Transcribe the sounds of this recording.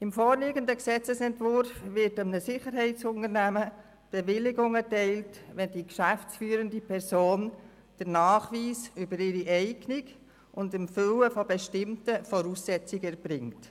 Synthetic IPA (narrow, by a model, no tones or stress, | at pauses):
ɪmfɔːɾliːɡəndəksɛt͡səsɛntvʊɾfʋɪtəmnəsɪχəɾɦɛɪt͡sʊnəɾnæmə | b̥eʋɪlɪɡʊŋətɛɪltʋɛndikʃæft͡sfyːɾəndipʰɛɾsoːn | d̥əɾnɑːχʋiːsʏbəɾɪɾiʔɛɪɡnɪɡ | ʊndɪmføwəfɔbeɛʃtɪmtəfɔɾuːsːɛt͡sɪɡɛɾb̥ɾɪŋt